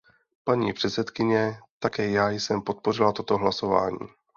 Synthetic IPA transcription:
paɲiːpr̝̥ɛt̪sɛt̪kɪɲɛt̪akɛːjaːjsɛmpo̞t̪̚po̞r̝ɪlat̪o̞t̪o̞ɦlaso̞va̰ːɲḭː

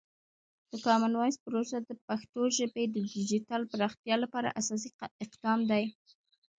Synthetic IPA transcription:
d̪̥əkɑmanwɑjspəɾosad̪əpaxt̪oʒəbed̪əd̪ɪd͡ʒit̪ɑlpəɾɑxt̪jɑlapɑɾa̰ʔasɑs̬iɪqd̪ɑmd̪aj

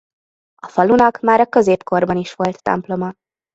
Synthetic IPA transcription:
ɒfɒlunɒkmaːɾɒkø̞zeːpko̞rbɒniʃʋo̞lt̪ːɛ̰mplo̞mɒ

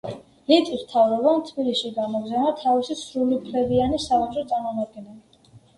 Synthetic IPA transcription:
lit̪ʼismt̪ʰavɾɔbant̪ʰbiliʃiɡamɔɡzanat̪ʰavisisɾulipʰlɛbianisavat͡ʃʼɾɔt̪sʼaɾmɔmad̪̚ɡɛnɛli

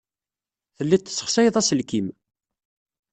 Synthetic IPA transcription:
θəlːit̪ːə̥sːə̥χsæjðˤæsəlkim

